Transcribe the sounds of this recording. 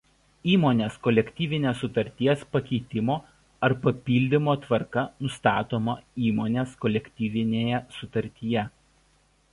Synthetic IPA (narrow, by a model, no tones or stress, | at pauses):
iːmoːnʲeːskɔlʲɛkʲt̪ʲiːʋʲɪnʲeːsːʊt̪ɐɾʲt̪ʲiɛspɐkʲɛɪt̪ʲɪmoː | ɐɾpɐpʲiːlʲd̪ʲɪmoːt̪ʋɐɾkɐnʊst̪ɑːt̪oːmɐiːmoːnʲeːskɔlʲɛkʲt̪ʲiːʋʲɪnʲeːjɛsʊt̪ɐɾʲt̪ʲijɛ